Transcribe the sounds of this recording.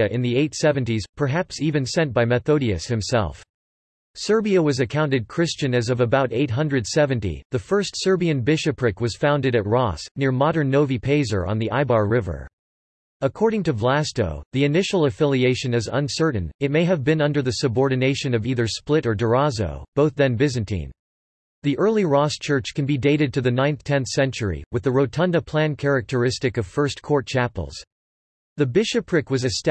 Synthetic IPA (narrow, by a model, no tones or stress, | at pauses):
ɨʔɨ̃nðieɪtsɛvɨ̃ntiz̥pʰə˞ɦæpsivɨ̃nsɛ̃ntb̥aɪmɛθoʊɾiɨshɨ̃msɛ̰lˠf | sɜ˞biɨwʌzɨkʰãʊ̃ntɨd̚kʰɹ̥ɪst͡ʃɨ̃nɨzʌvəbaʊɾeɪt̚ɦʌ̃ndɹɨd̥sɛvɨ̃ntḭðɨfɜ˞stsɜ˞biɨ̃nbɪʃɨpʰɹɪkwʌz̥fãʊ̃ndɨɾɨt̚ɹɔsnɪɹmɑɾə̃˞nːoʊvipʰeɪzə̰˞ə̰̃nðiʔaɪbɑɹɹɪvə̰˞ | əkʰɔɹɾɪ̃ŋtɨvlæsto̰ʊðiɨnɪʃl̩ˠəfɪlˠieɪʃɨ̃nɨzə̰̃nsɜ˞ʔn̩ɨt̚meɪɨvbɨ̃nʌ̃ndə˞ðɨsɨbɔɹdⁿn̩eɪʃɨ̃nʌviðə˞splɪɾə˞də˞ɑzo̰ʊb̥oʊθðɨ̃nbɪzɨ̃ntʰḭ̃n | ðiʔɜ˞lˠiɹɔst͡ʃʰɜ˞t͡ʃkɨ̃n̩bideɪɾɨd̚tʰɨðɨnãɪ̃nθtʰɛ̃nθsɛ̃nt͡ʃə˞ḭwɨðɨɹoʊtʰʌ̃ndəpʰl̥æ̃nkʰɛɹɨk̚tʰə˞ɪstɨkʌv̥fɜ˞skʰɔɹt̚t͡ʃʰæpl̩ˠz̥ | ðɨbɪʃɨpʰɹɪkwʌzɨst